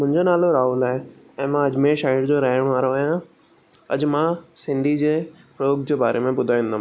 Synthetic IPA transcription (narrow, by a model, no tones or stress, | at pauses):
mʊ̃ɦɪ̃ɲd͡ʑonaːloɾaːulaːɦe | ɛ̃ːmãɐd͡ʑmẽʃaːɪɽd͡ʑoɾɐɦɪɽ̃ʋaːɾoɦã | ɐ̰d͡ʑmãsɪ̃nd̪ʱid͡ʑeː | pɾooɡd͡ʑeːbaːɾʔemẽbʊd̪ʱaːʋĩːnd̪am